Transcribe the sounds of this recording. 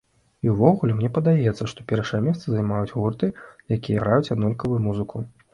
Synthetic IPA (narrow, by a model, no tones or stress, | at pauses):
iwvɔɣulʲɛmnʲɛpɐd̪ajɛt̪sːɐʂt̪ɔpʲɛrʂɐjɛmʲɛst̪sɐzajmajud͡zʲɣurt̪ɨjakʲijɐɣɾajut͡sʲad̪nɔlʲkɐvujumuzɨkʰu